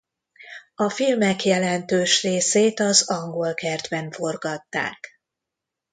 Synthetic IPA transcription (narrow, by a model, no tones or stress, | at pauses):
ɒfilmɛkjɛlɛnt̪øːʃreːseːt̪ɒzɒŋɡo̞lkɛrd̪bɛɱfo̞rɡɒt̪ːa̰ːk